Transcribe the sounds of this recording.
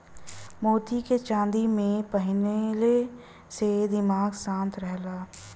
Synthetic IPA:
moːt̪iket͡ʃãːnd̪imẽpəɦɪnele | sed̪ɪmaːɡsãːnt̪ɾɛɦlaː

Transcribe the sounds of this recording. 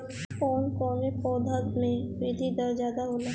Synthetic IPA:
kɔːnkɔːnepɔːd̪ʱəd̪mẽʋiːd̪ʱid̪ɐɾzjaːd̪aɦoːla

